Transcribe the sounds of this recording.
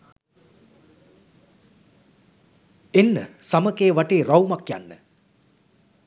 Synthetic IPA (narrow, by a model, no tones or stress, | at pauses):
enːəsaməkeːʋaʈeːɾawmakja̰nːə̰